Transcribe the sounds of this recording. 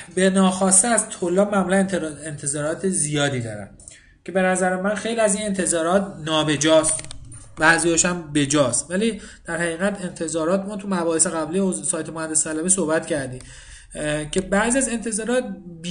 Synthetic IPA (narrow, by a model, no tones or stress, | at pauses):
be̞nɒːxɒːst̪ezt̪ʰolːɒːbmæmuːlænent̪ʰe̞zɒːɾɒːt̪ʰezijɒːd̪iːd̪ɒ̰ːɾæ̰n | cʰe̞be̞næzæɾemænxe̞jliæziːne̞nt̪ʰe̞zɒːɾɒːt̪ʰnɒːbe̞d͡ʒɒːst̪ | bæʔzijɒːʃæmbe̞d͡ʒɒːst̪væliːd̪̥æɾhæɣiːɣæt̪e̞nt̪ʰe̞zɒːɾɒːt̪mɒːt̪ʰumæbɒːheseɣæbliozsɒːjt̪ʰemohænd̪ːe̞st̪ʰælæbisohbæt̪cʰæɾd̪iːm | cʰe̞bæʔzijæze̞nt̪ʰe̞zɒːɾɒːt̪̚b